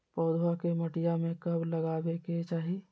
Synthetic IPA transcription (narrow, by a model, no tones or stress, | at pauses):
pɔːd̪ʱwakeməʈijamẽkɐbləɡaːbeket͡ʃaːɦi